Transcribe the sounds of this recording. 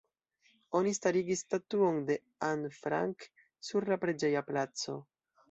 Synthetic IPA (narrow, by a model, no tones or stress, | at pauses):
o̞nistaɾiɡistatuo̞nde̞ | anfɾa̰ŋk | suɾlapɾe̞d͡ʒe̞japlat͡so̞̰